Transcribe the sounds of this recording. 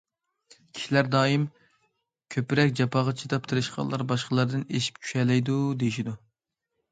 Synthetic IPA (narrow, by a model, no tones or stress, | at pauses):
kʲʰi̥ʃilæɾd̪ɑːjim | kʲʰøpɪɾɛkʲd͡ʒɑpʰɑʁɑt͡ʃʰid̪ɑpt̪ʰɨɾɨʃqʰɑ̰lˠɑɾbɑʃqəlˠɑɾd̪ɨneʃi̥p̚t͡ʃʲʰy̥ʃɛlɛjd̪ud̪ejiʃid̪u